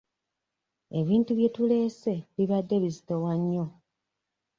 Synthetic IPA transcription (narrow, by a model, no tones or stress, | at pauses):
e̞βiːntuβje̞tule̞ːse̞βiβadːe̞βizitowaɲːo̞